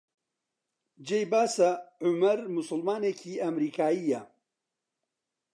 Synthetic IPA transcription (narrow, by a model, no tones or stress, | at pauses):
d͡ʒejbaːsɐʕʊmɐɾmʊsʊlmaːnecʰiːʔɐmɾiːkʰaːiːjɐ